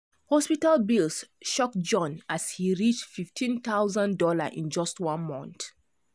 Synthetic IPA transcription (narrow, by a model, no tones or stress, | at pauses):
hɔspitalbilsʃɔkd͡ʒɔ̃nashiɹit͡ʃtfiftʰĩnt̪aʊzãndɔla̰ʔḭ̃nd͡ʒɔstwɔ̃nmɔ̰̃nt